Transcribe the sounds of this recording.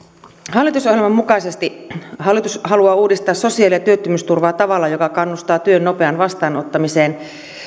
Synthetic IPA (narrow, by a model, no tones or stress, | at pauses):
hɑlːˑit̪usohjelmɑmmukɑisest̪ihɑlːˑit̪ushɑluɑːuːdist̪ɑːssosiɑːlijɑt̪yøt̪ːymyst̪urʋɑːt̪ɑʋɑlːɑjokɑkɑnːust̪ɑːt̪yønnopeɑnʋɑst̪ɑːnot̪ːɑmiseːn